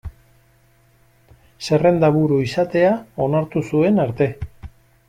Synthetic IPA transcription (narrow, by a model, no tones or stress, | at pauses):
se̞re̞nd̪aβuɾuisat̪e̞ao̞naɾt̪usue̞naɾt̪e̞